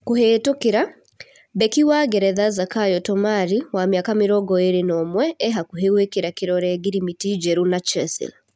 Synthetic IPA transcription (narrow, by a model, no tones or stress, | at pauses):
koheːtokeɾa | bɛkiwaɡɛɾɛðazakajɔtɔmaɾiwamjakameɾɔːɡɔeɾenɔmwɛɛɦakuɦewekeɾakeɾɔɾɛɡiɾimitid͡ʒɛɾunat͡ʃɛsḭl